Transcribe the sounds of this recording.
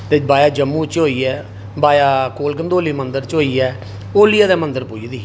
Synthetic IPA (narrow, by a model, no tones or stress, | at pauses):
t̪eːbaːjaːd͡ʒəmːũːt͡ʃɦoːiːɛː | baːjaːkoːlkənd̪oːliːmənd̪əɾt͡ʃɦoːiːɛː | oːlijaːd̪ɛːmənd̪əɾpoːid̪iː